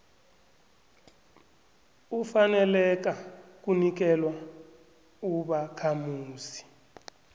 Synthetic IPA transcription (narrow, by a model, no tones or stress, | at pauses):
ufanɛlɛk̬ak̬unik̬ɛlwa | uɓakʰamuːsi̥